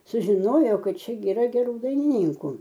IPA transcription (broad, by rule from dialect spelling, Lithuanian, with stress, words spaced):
sʊʒʲɪˈnoːjoː ˈkɐt ˈt͡ʃʲɛ ɡʲɪ ɪˈrɐ ɡʲɛˈruː dɐɪnʲɪˈnʲiːŋkʊ